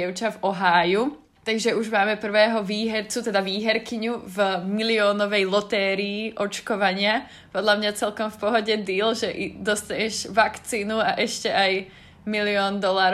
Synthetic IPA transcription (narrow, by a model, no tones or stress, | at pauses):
ɛʊt͡ʃavɔɦaːju | t̪aɡʒɛuʒmaːmɛpr̩ʋɛːɦɔʋiːɦɛɾt͡sut̪ɛd̪aʋiːɦɛɾkiɲuvmiliɔːnɔʋɛjlɔt̪ɛːɾiːʔɔt͡ʃkɔʋaɲɪa | pɔd̪ʎamɲat͡sɛlkɔmfpɔɦɔɟɛd̪iːlʒɛʔid̪ɔst̪aɲɛʒʋakt͡siːnuaʔɛʃcɛaj | miliɔːnd̪ɔlaːɾ